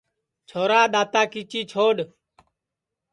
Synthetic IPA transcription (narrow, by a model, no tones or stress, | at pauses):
t͡ʃʰoːɾaːɗ̪aːt̪aːkiːt͡ʃiːt͡ʃʰoːɗ